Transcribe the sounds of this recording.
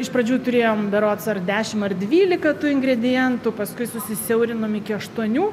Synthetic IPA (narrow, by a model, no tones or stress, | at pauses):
ɪʃpɾɐd͡ʒʲuːt̪ʊɾʲeːjoːmbɐɾoːt̪sɐrd̪ʲæːʃʲɪmɐrd̪ʲʋʲiːlʲɪkɐt̪uːɪŋɡɾʲɛd̪ʲɪjɛnt̪uːpɐskʊɪsʊsʲɪsʲɛʊɾʲɪnoːmɪkʲɪɐʃt̪uɔnʲuː